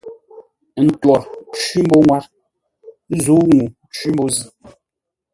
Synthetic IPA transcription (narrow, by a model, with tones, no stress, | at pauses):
n̩˨twɔ˨ɾt͡ʃɥi˦m̩˦bo˦ŋwa˦ɾ | zu˨˦ŋu˨ | t͡ʃwi˦mbo˦zi˦